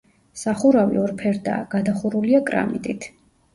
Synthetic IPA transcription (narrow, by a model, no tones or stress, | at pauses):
saχuɾavḭɔɾpʰɛɾd̪a̰ːɡ̥ad̪aχuɾuliakʼɾa̰mḭt̪ʼit̪ʰ